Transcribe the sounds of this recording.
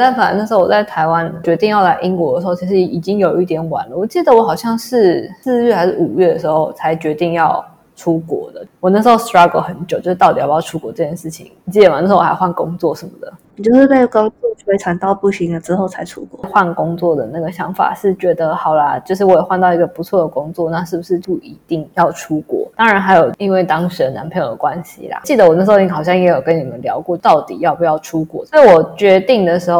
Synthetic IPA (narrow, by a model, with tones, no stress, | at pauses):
t̪a˥˩fə˨˩a˨˩˦nə˥˩ʂ̩˧˥˩wɔ˨˩t͡sa˥˩ɪt̪ʰa˧ɪwa˦nt͡ɕɥɛ˧˥t̪i˥˧ŋjɑ˥˧ʊla˥˧˩ʔi˦˥ŋkwɔ˨˧˥də˩ʂɻ̩˧˥o˥˩t͡ɕʰi˧˥ʂɻ̩˧i˨˩t͡ɕi˥ŋjo˨˩ʊi˥˩t̪̬jɛ˨˧˥nwa̰˨˩nlə˦˨wɔ˨˩t͡ɕi˥˩d̪ə˨˩wɔ˧˥xɑ˨˩ʊɕjɑ˥˧ŋʂɻ̩˥˩sɹ̩˥˧ɥɛ˥˩xa˧˥ɪʂɻ̩˥˩ʔu˨˩ɥɛ˥˩d̪ə˩ʂɻ̩˧˥xo˥˩ʊ˩t͡sʰa˧˥ɪt͡ɕɥɛ˧˥t̪i˥˧ŋjɑ˥˩ʊ | ʈ͡ʂʰu˥kwɔ̰˨˩˦d̪ə̰˨˦wɔ˨˩na˥˩ʂ̩˧˥xo˥˧stɹa˥ɡo˨˧˥xə˧˦nt͡ɕjʊt͡ɕo˥ʊʂ̩˥t̪ɑ˥˩ʊt̪i˨jjɑ˥˧ʊʈ͡ʂʰu˦˥kwɔ˨˥ʈ͡ʂɤ˥˩t͡ɕʰjɛ˥nʂɻ̩˥˩t͡ɕʰḭ˨˩˦ŋ˨˩t͡ɕi˥˩ə˨ma˨n˥˩ʂ̩˧˥˧ɪxwa˥˩nkʊ˥ŋt͡swɔ˥˩ʂə˨˧˦nmə̰˨d̪ə̰˩ni˨˩t͡ɕjo˥˧ʊʂɻ̩˥˩pe˥˩ɪko˥ŋt͡sɔ˥˧˥e˥ɪʈ͡ʂʰa˨˩nt̪ɑ˥˧ʊpu˥˩ɕi˧˥ŋlə˨ʈ͡ʂɻ̩˥xo˥˩ʊt͡sʰa˧˥ɪʈ͡ʂʰṵ˥kwɔ̰˥˩˥xwa˥˩nkʊ˥ŋt͡swɔ˥˩d̪ə˩na˥˩ɡə˩ɕjɑ˧˦˥ŋfa̰˨˩ʂɻ̩˥˩t͡ɕɥɛ˧˥d̪ə˧xɑ˨˩ʊla˧˦t͡ɕjo˥˧ʊʂ̬ɻ̩˥˩wɔ˧˥jɛ˨˩xwa˥˧nt̪ɑ˥˩ʊi˧˥ɡə˨˩pu˨˧˥t͡sʰwɔ˥˩d̪ə˩kʊ˥ŋt͡swɔ˥˨na˥˧ʂɻ̩˥˩bu˩ʂɻ̩˥˧t͡ɕu˥˩i˧˥t̪i˥˧ŋjɑ˥˩ʊʈ͡ʂʰu˥kwɔ̰˥˩t̪ɑ˥ŋɻa˧˦nɦa˧˥ɪjo˨˩ʊi˧˥nwe˥˩ɪt̪ɑ˥ŋʂɻ̩˧˦də˧na̰˧˥npʰi˥˩˨kwa˦nɕḭ˨la̰˨˦t͡ɕi˥˩d̪ə˩wɔ˨˩na˥˩ʂ̬̩˧o˥˩n˨˥˩ɑ˨˩ɕjɑ˥˩ŋjɛ˧˥jo˨˩ʊkə˦ni˨˩mə˦nljɑ˧˥ʊkwɔ˥˧t̪ɑ˥˩ʊt̪ḭ˨˩jɑ˥˩pu˧˥jɑ˥˩ʊʈ͡ʂʰu˥kwɔ̰˥˩swɔ˥i˧˥wɔ˨˩t͡ɕɥɛ˧˥t̪i˥˩ŋd̪ə˩ʂɻ̩˧˥xo˥˩